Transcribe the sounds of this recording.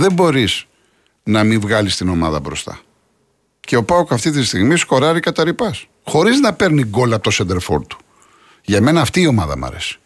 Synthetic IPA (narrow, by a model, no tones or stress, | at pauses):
ðe̞mbo̞ɾiz̥ | nɐmivɣɐlist̪ino̞mɐðɐbɾo̞st̪ɐ̰ | ce̞o̞pɐokɐft̪it̪ist̪iɣmisko̞ɾɐɾikɐt̪ɐɾipɐs | xo̞ɾiznɐpe̞ɾniɡo̞lɐpot̪osend̪eɾfo̰ɾt̪u̥ | ʝɐme̞nɐːft̪iːo̞mɐðɐ̰mɐ̰ɾe̞̰si̥